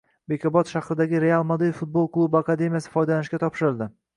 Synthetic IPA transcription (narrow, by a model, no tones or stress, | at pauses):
be̞kʲʰɒbɒt̪ʃahɾɪd̪aɡʲɪɾe̞alˠmod̪ejfʊt̪̚bolˠklˠubakad̪e̞mʲijasɪ̥fɒjd̪alanɪʃkʲat̪ʰɒpʃɪɾɪlˠd̪ɪ